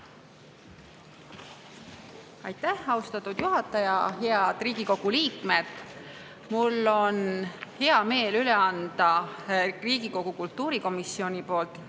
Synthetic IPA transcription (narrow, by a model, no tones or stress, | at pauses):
ɑjt̪ːæhɑust̪ɑt̪ːˑud̪̥juɦɑt̪ːˑɑjɑɦeɑd̪̥riːɡ̥iko̞ɡ̥uliːkme̞d̪̥ | mulːo̞nhe̞ɑme̞ːlyleɑnd̪̥ɑ | riːɡiko̞ɡ̥ukult̪ˑːuːɾiko̞misːio̞nʲipo̞ːlt̪ˑ